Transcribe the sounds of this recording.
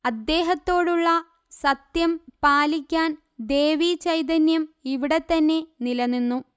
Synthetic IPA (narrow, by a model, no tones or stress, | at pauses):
ɐd̪ːe̞ːɦɐt̪ːo̞ːɽuɭːɐ | sɐt̪jɐmpaːlikʲːaːn | d̪e̞ːʋit͡ɕɐjt̪̬ɐnjɐmiʋiɽe̞t̪ːɐnːe̞nilɐnːinːu